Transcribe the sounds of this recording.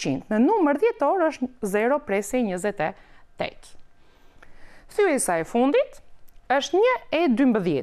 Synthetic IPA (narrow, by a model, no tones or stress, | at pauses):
ḭnt̪nənuməɾðjɛt̪ɔɾəʃt̪zɛɾɔpɾɛsɛɲəzɛt̪ɛt̪ːɛ̰t̪ | θyɛsaɛfund̪it̪əʃt̪ɲəɛd̪ymbəðjɛ